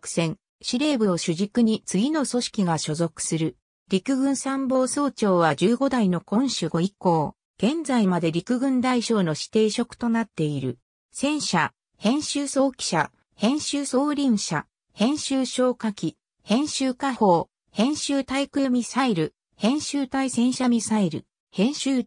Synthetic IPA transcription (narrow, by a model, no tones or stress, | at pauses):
kɯ̟̥sẽ̞ŋ | ɕiɾe̞ːbɯoɕɨʑikɯ̟ɲ̟it͡sɨɡʲino̞so̞ɕi̥kʲiɡaɕo̞zo̞kɯ̟̥sɨɾɯ̟ | ɾʲikɯ̟ɡɯ̟̃ɰ̃sãmbo̞ːso̞ːt͡ɕo̞ːβad͡ʑɨːɡo̞d̪aino̞kõ̞ɰ̃ɕɨɡo̞iko̞ː | ɡ̥ẽ̞nd͡zaimad̪e̞ɾʲikɯ̟ɡɯ̟̃nd̪aiɕo̞ːno̞ɕi̥t̪e̞ːɕo̞kɯ̟̥t̪o̞nat̪ːe̞iɾɯ̟ | sẽ̞ɰ̃ɕa | hẽ̞ɰ̃ɕɨːso̞ːkʲi̥ɕa | hẽ̞ɰ̃ɕɨːso̞ːɾʲĩɰ̃ɕa̰ | hẽ̞ɰ̃ɕɨːɕo̞ːkakʲi | hẽ̞ɰ̃ɕɨːkaho̞ː | hẽ̞ɰ̃ɕɨːt̪aikɯ̟jomʲisaiɾɯ̟ | hẽ̞ɰ̃ɕɨːt̪aisẽ̞ɰ̃ɕamʲisaiɾɯ̟̰ | hẽ̞ɰ̃ɕɨː